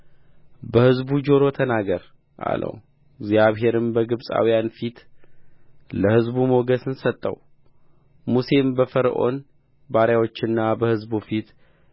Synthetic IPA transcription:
bəhɨzbud͡ʒo̞ɾo̞t̪ʰənaɡəɾ | ʔa̰lʔə̰w | ɪɡzjaβɦe̞ɾɨmbəɡɨβsʼa̰wijanfit̪ | ləhɨzbumoɡəsɨnsət̪ʼːə̰w | muse̞mbəfəɾʔo̞̰n | baɾjawo̞t͡ʃːɨnːabəhɨzbufit̪

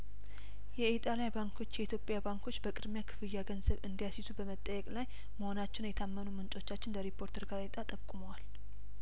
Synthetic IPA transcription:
jɛet̪ʼalajbaŋkʰo̞t͡ʃːjɛit̪ʰjo̞pʼjabaŋkʰo̞t͡ʃːbəkʼɨd̪mjakʰɨ̥fɨjːaɡənzəβɨnd̪ijasit̪ʰubəmət̪ʼːəjːɛkʼlaj | məho̞nat͡ʃːɪnjɛt̪ʰamːənumɨnt͡ʃʼo̞t͡ʃːat͡ʃːɪnbəɾipʰːo̞ɾt̪ʰəɾɡaɾet̪ʼat̪ʼəkʼːuməwal

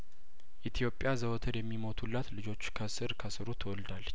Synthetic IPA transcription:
ʔit̪ʰijo̞pʼːjazəwt̪ʰəɾjɛmːimo̞t̪ʰulːat̪lɨd͡ʒo̞t͡ʃːkʰəsɨɾkʰəsɨɾut̪ʰəwɔld̪alːət͡ʃː

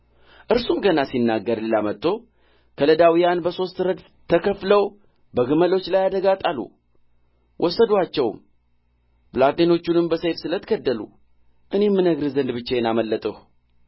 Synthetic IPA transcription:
ʔɨɾsumɡənasinːaɡːəɾlɨlamət̪ːo̞ | kʰələd̪awijanbəso̞st̪ɾəd̪ | t̪ʰəkʰəfləw | bəɡɨməlo̞t͡ʃːlajad̪əɡat̪ʼalṵ | wʔɔsːəd̪wat͡ʃːɛwm | pɨlat̪eno̞t͡ʃːunɨmbəsefsɨlət̪ʰɡʰəd̪ːəlṵ | ʔɨne̞mːɨnəɡɾɨzənd̪bɨt͡ʃːejɛnaməlːət̪ʼəh

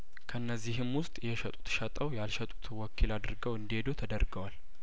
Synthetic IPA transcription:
kʰəɨnːəzːiɦɨmwʊst̪ʼjɛʃɛt̪ʼu̥t̪ʃət̪ʼəwjalʃɛt̪ʼut̪ʰwɔkʰilad̪ɨɾɡəwɨnd̪ihed̪ot̪ʰəd̪əɾɡəwal

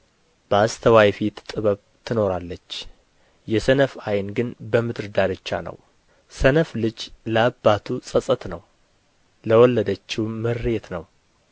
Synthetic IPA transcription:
b̥əast̪ʰəwajfit̪t̪ʼɨβəβ | t̪ʰɨno̞ɾalːət͡ʃː | jɛsənəfajnɡɨnbəmɨt̪ɨɾd̪aɾɨt͡ʃːa̰nə̰w | sənəflɨd͡ʒləabːat̪ʰusʼəsʼət̪nəw | ləwɔlːəd̪ət͡ʃːɪwmːɨɾːet̪nəw

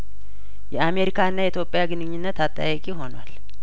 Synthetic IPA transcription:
jɛame̞ɾikʰaɨnːajɛit̪ʰjo̞pʼːjaɡɨnɨɲːɪnːət̪at̪ʼːa̰jɛkʼiɦo̞nwa̰l

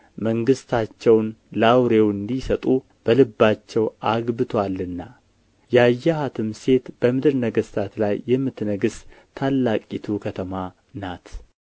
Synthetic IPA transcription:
məŋɡɨst̪ʰat͡ʃːɛwnlawɾe̞wɨnd̪isət̪ʼu | b̥əlɨbːat͡ʃːɛwaɡbɨt̪ʰwalːɨnːa | jɛajːahat̪ʰɨmse̞t̪b̥əmɨd̪ɨɾnəɡəst̪ʰat̪lajːɛmːɨt̪nəɡɨst̪ʰːalːakʼit̪ʰukʰət̪ʰəma | nat̪

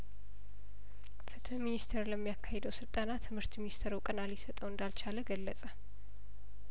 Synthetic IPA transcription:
fɨt̪ʰəminist̪ʰəɾləmːijakʰːahed̪əwsɨlt̪ʼanat̪ʰɨmhɨɾt̪minist̪ʰəɾukʼənalisət̪ʼəwɨnd̪alt͡ʃʰaləɡəlːəsʼə

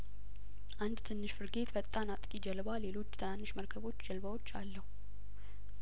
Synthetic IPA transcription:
ʔand̪t̪ʰɨnːɨʃfɨɾɡe̞t̪bət̪ʼːanat̪ʼkʼid͡ʒɛlbale̞lo̞t͡ʃːt̪ʰɨnanːɨʃməɾkʰəβo̞t͡ʃːd͡ʒɛlbawo̞t͡ʃːalːəhu

